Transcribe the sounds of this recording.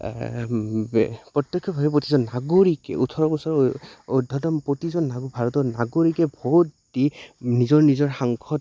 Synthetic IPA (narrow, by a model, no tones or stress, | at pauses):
pɹɔt̪jɔkʰːɔbʱabɛpɹotizɔnːaɡoɹikɛ̰utʰɔɹɔbɔsaɹodʱɔdɔmpɹotizɔnːaɡbʱaɹɔtɔnaɡoɹikɛbʱɔɦut | dinizɔɹnizɔɹxaŋkʰɔt